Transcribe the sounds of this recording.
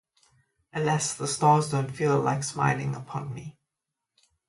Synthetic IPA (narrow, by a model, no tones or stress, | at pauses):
ə̃nlɛsðəstɑːzdə̃ʊ̃nfilˠlaɪksma̰ɪlɪ̰̃ŋəpʰɔ̃nmi